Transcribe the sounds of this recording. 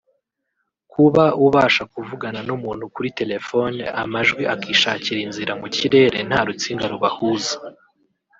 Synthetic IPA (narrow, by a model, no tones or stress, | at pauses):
kʰuβauβaːʃakuvuɡananumuːn̥hukuɾite̞le̞foneamaʒɡwiakiːʃaːciɾinziɾamuciɾe̞ːɾe̞n̥haɾut͡siːŋɡaɾuβahuzḁ